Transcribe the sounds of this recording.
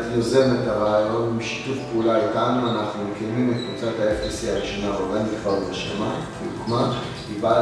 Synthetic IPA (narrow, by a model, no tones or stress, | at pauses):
t̪loze̞met̪aʁaajo̞nmiʃi̥t̪ufpeulalekaːnanaχnumkenimetvut͡sat̪aefisiaʁiʃonaoʁɡanikvaʁbaʃemafidukma | kiba